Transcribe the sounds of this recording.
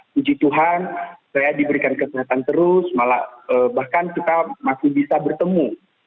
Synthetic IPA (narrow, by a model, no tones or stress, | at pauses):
kuɲt͡ʃit̪uɦansajadibəɾikankəseɦat̪ant̪əɾʊsmala̰əbahkankit̪amasibisabərt̪əmu